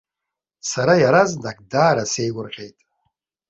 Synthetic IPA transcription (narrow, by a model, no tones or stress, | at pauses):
saɾajaɾaznakʼdaːɾase̞jɡʷʊrʁʲejtʼ